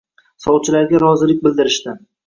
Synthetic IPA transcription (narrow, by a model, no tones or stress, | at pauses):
sɒwt͡ʃʰɪlaɾɡʲaɾɒzɪlɪk̚ʲbɪld̪ɪɾɪʃt̪ɪ